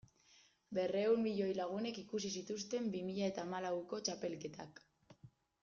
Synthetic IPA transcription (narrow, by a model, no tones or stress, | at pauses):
be̞re̞wmbiʎo̞jlaɣ̞une̞kikusisit̪ust̪e̞mbimiʎae̞t̪aːmalawko̞t͡ʃape̞lke̞t̪ak